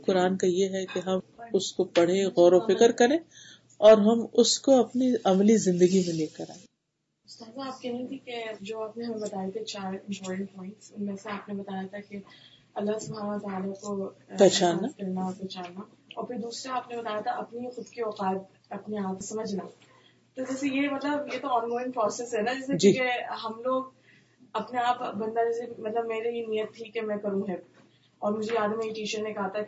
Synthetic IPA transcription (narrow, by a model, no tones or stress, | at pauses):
qʊɾaːnkajeɦɛkeɦɐmʊskopɐɽ̤ẽɣɔːɾofɪkəɾkɐɾẽː | ɔːɾɦɐmʊskoɐpniɐmlizɪ̃nd̪əɡimẽleːkɐɾa̰ːẽ | ʊst̪aːzaːp̚kɛɦĩt̪ʰiked͡ʒoːaːpneɦɐmẽbɐt̪aːjet̪ʰet͡ʃaːɾɪ̃mpɔːɾʈə̃ɳʈ̚pɔːɪ̃ɳʈsʊnmẽːseaːpnebɐt̪aːjat̪ʰake | ɐlːasʊbʱɦaːnʋat̪aːlakopɛːt͡ʃaːaskɐɾnaɔpɛːt͡ʃaːnaɔ̰ːɾpʰɪɾd̪uːsɾaaːpnebɐt̪aːjat̪ʰaʔɐpnixʊd̪keɔːqaːt̪̚ | ɐpneaːp̚osɐməd͡ʒʱna | t̪od͡ʒɛːsejemɐt̪ləbjet̪oɔːnɡoːɪ̃nfɔːɾsɪsɦɛnad͡ʒɛːset͡ʃuikeɦɐmloːɡ̚ | ɐpneaːpbɐ̃nd̪ad͡ʒɛːsemɐt̪ləbmeːɾeɦinijət̪ʰːikemɛ̃kɐɾũɦɛ | ɔːɾmʊd͡ʒʱeaːd̪miiʈiːʃəɾnẽkɐɦat̪a